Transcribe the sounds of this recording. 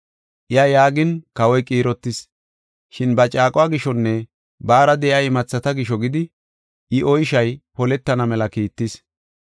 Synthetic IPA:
ʔɪajaːɡɪnkɐwɔjkʼiːɾɔt̪ːɪs | ʃɪnbɐt͡ʃʼaːkʼʊwaːɡɪʃɔnːɛ | baːɾɐd̪ɛʔjaɪmɐt͡sːɐt̪ɐɡɪʃɔɡɪd̪ɪ | ʔɪʔɔjʃɐjpɔlɛt̪ːɐnɐmɛlɐkiːt̪ːɪs

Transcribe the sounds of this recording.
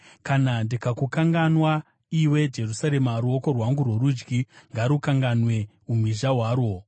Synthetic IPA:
kanandikakukaŋɡanwa | iwe̞d͡ʒe̞rusaɾe̞maɾuoko̞rwaŋɡurwoɾud͡ʒɡiŋɡaɾukaŋɡanwe̞ | um̤iʒaɦwaːɾwo̞

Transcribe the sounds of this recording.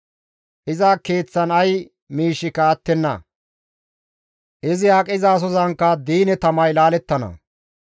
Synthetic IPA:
ʔɪzaːke̞ːt͡sːɐnɐj | miːʃːɪkɐːt̪ːɛnːɐ̰ | ʔɪzɪaːkʼɪzaːs̬ɔzɐŋkːɐd̪iːnɛt̪ɐmɐjlaːlɛt̪ːɐnɐ̰

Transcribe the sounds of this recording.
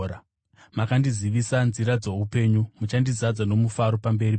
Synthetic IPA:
a | makandiziʋisanziɾad͡zo̞upe̞ːɲumut͡ʃandizad͡zano̞mufaɾo̞pambe̞ri

